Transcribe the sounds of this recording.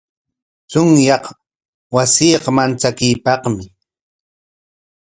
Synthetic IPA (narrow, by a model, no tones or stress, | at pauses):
t͡sʊŋjɑq | wasiːqɑmant͡sakɪjpɑqmɪ